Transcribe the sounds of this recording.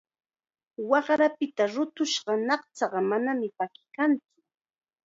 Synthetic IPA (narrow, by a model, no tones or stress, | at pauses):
wɑχɾapɪt̪aɾʊt̪ʊʃɢɑnɑχt͡sɑɢɑmanamɪpakɪ̥kant͡sʊ̥